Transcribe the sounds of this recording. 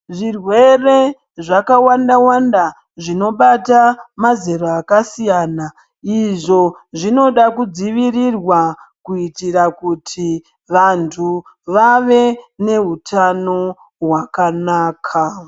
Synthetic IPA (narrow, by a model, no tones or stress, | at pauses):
ʐirwe̞re̞ | ʐakawandawanda | ʐino̞ɓatamazeɾoakasijaːna | iʐo̞ʐino̞ɗakud͡ziʋirirwakuitirakutʰi | ʋantʰu | ʋaʋe̞ne̞ɦutʰano̞ | ɦwakanaːkʰa